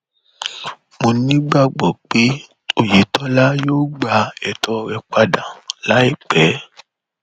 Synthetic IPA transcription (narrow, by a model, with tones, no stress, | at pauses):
mo˧nĩ˦ɡ͡ba˦˨ɡ͡bɔ˨k͡pe˦ | o˦˨je˨tɔ˦la˦joː˦ɡ͡ba˧ɛ˨tʰɔ˧ɾɛ˧k͡pa˧dã˨la˨˦i˦˨k͡pɛ˨˦